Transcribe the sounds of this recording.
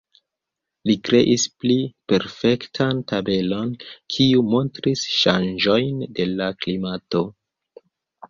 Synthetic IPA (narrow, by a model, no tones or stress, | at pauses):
likɾe̞ʔisplipe̞ɾfe̞ktʰantabe̞lo̞nkʰiumo̞ntɾisʃand͡ʒo̞jnde̞laklimato̞